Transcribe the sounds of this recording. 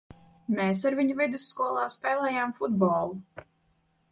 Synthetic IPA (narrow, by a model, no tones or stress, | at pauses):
mʲeːs̬aɾvʲiɲuvʲid̪usːkuɔlˠɑːspʲɛːlɛːjaːmfud̪bɔːlˠu